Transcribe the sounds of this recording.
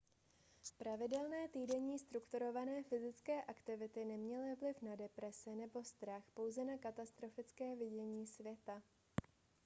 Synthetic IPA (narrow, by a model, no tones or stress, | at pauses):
pɾavɪdɛlnɛːt̪iːdɛɲiːst̪ɾukt̪uɾo̞vanɛːfɪzɪt͡skɛːʔakt̪ɪvɪt̪ɪnɛmɲɛlɪvlɪfnadɛpɾɛsɛnɛbo̞st̪ɾaxpo̞wzɛnakat̪ast̪ɾo̞fɪt͡skɛːvɪɟɛɲiːsvjɛt̪a